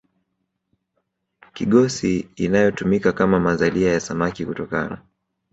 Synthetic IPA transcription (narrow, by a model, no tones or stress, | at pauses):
kiɠɔsiːnajɔtumikakamamazaliajasamakikutɔka̰na